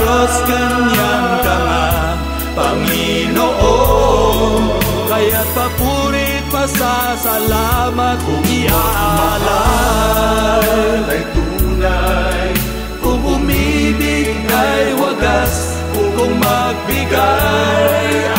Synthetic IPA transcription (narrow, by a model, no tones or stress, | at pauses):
ɾoskanɲaŋkaŋa | paŋi | noʔo | kajat̪̚papuɾi | pasa | salamat̪̚kʊŋʔɪʔaala | kajt̪unaj | kʊŋʊmibɪɡkajwaɡas | kʊŋmaɡ̚bɪɡaj